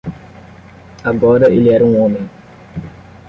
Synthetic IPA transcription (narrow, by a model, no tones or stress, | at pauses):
aɡɔɾɐʔelɛɾũõmẽ